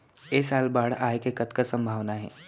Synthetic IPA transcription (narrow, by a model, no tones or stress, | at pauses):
eːsaːlbaːɽ̤aːekekət̪kasɐ̃mbʱaːʋnaɦɛ̰ː